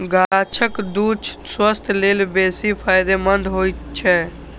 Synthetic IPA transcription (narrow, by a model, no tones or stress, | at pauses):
ɡat͡ʃʰəkd̪ut͡ʃʰswəst̪ʰleːlbesipʰaːjd̪emənd̪ʱɦojtt͡ʃʰɛ